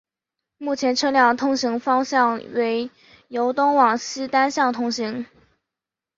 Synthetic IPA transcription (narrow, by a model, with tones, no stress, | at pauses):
mu˥˩t͡ɕʰjɛ˧˥nʈ͡ʂʰɤ˥ljɑ˥˩ŋt̪ʰʊ˥ŋɕi˧˥ŋfɑ˥ŋɕjɑ˥˩ŋwe˧˥ɪ | jo˧˥ʊt̪ʊ˥ŋwɑ˨˩ŋɕ̩˥t̪a˥nɕjɑ˥˩ŋt̪ʰʊ˧˥ŋɕi˧˥ŋ